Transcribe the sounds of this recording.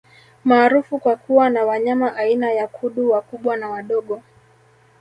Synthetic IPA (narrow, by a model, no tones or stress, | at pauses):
maːɾufukwakuwanawaɲamaʔainajakʰuɗuwakuɓwanawaɗɔɠɔ